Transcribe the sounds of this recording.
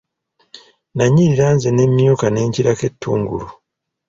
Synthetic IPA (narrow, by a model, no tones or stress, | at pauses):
naɲːiɾiɾanzene̞mjokane̞ːɲciɾake̞tːṵːŋɡṵlu